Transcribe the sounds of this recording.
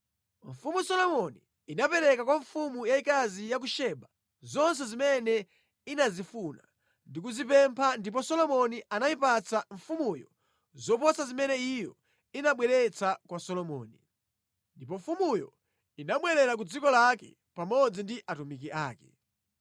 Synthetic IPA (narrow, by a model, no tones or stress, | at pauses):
ɱ̩fumusɔlɔmɔniː | napɛɾɛkakwaɱfumujaikazijak̬uʃɛɓa | zɔns̬ɛzimɛnɛ | inazifuna̰ | ndik̬uzipɛmpʰandip̬ɔsɔlɔmɔnianaipat͡saɱfumujɔ | zɔpɔsazimɛnɛijɔ | inaɓwɛɾɛt͡sʰakwasɔlɔmɔ̰ːni | ndipɔɱfumujɔ̰ | inaɓwɛɾɛɾak̬ud͡zikɔlakɛ̰ | pamɔd͡zindiʔatumik̬iʔaːkɛ̥